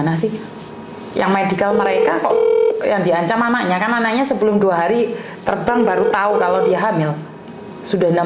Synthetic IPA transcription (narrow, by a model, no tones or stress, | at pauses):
nas̬ɪh | jaŋmaɪndikalməɾekakɔʔjaŋdiaɲt͡ʃamanaʔɲakananaʔɲasəbəlʊmduaɦaɾit̪ərbaŋbaɾut̪aukalodiaɦamɪl | sudahna